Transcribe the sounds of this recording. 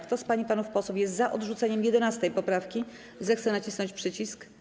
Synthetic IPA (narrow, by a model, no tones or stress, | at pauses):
kt̪ɔspaɲipanufpɔswufjɛst̪zaʔɔd̪ʐut̪sɛɲɛmjɛd̪ɛnast̪ɛjpɔpɾafkʲi | zɛxt̪sɛnat͡ɕisnɔ̃ɲt͡ɕpʂɘt͡ɕisk